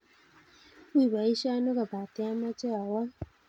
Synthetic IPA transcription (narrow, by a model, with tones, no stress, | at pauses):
wi˦˨βa˨i˦ʃa˦no˦ɣa˨ba˨tɛ˦a˦ma˦t͡ʃe˦a˨wa˦